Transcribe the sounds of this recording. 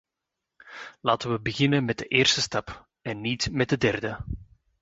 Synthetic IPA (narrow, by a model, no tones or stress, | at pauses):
laːtəʋəbəɣɪnənmɛd̚dəʔɪːrstəstɑp | ɛnːitmɛt̚dədɛrdə